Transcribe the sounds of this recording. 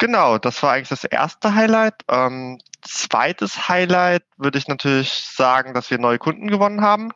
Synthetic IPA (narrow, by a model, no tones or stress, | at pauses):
ɡ̥ənaʊd̥asv̥aːɐʔaɪɡŋlɪ̥çd̥asʔḛːɐstəɦaɪlaɪtʔɛːmt͡sv̥a̰ɪtʰəshaɪlaɪtv̥ʏɐdəɪçnatʰyːɐlɪçz̥aːɡŋ̩dasv̥iːɐnɔʏəkʰʊndn̩ɡəvɔnənɦaːbm̩